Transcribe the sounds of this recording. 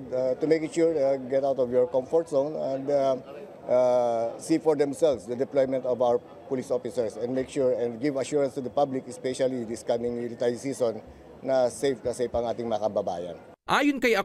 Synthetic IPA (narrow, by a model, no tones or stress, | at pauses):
dat̪ʊmejkɪʃuɹɡɛt̪awt̪ɔvjɔɹkɔ̃mfɔɹt̪sõnɛ̃nd̪ | ʔasifɔɹd̪ɛmsɛlvsd̪ɐd̪ɛplojmɛ̃nt̪ɔvawəɹ | pʊlisʔofɪsɛɹsɛ̃nd̪mejkʃuɹɛ̃nd̪̚ɡivɐʃuːɹɐnst̪ud̪ɐpablɪkɛspɛʃɐlid̪ɪskamɪ̃ŋmilɪt̪aɹsisɔ̃nː | ɐsejfkɐsepɐŋʔaːt̪ɪŋmɐɐkɐbɐba̰ːjɐ̰n | ʔaːjonkɐjɐ